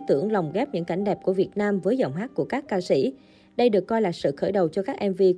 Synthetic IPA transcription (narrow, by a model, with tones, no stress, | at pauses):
t̪ɨ˧˩əŋla˨˩wŋ͡mɣɛ˦˥p̚ɲɨ̰˧˥ŋka˧˩jŋ̟ɗɛ˨˩p̚ku˧˩əvi˨˩ət̚naː˧mvəː˨˦jzə̰˧˩wŋ͡mɦaː˦˥k̚kːu˧˩əkaː˦˥kːaː˧sḭ˧˩˨ | ɗə˧jɗɨ˨˩əkːɔ˧jlaː˨˩sɨ̰˧˨xəː˧˩jɗə˨˩wt͡ɕɔ˧kaː˦˥k̚ʔɛ˧mvi˧